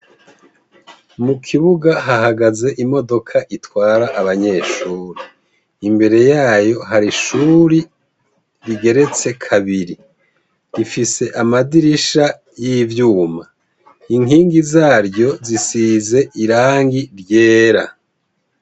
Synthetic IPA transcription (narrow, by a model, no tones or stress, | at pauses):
mukʰiβuɡaɦaɦaɡaze̞ʔimo̞do̞kʰaʔitwaːɾaʔaβaɲe̞ːʃuːɾi | imbe̞ɾe̞jaːjo̞ɦaɾiʃuːɾi | ɾiɡe̞ɾe̞t͡se̞kʰaβiɾi | ifise̞ʔamadiɾiʃa | jivjuːma | iŋiːŋɡizaːɾɟo̞zisiːze̞ʔiɾaːŋɡiɾje̞ːɾa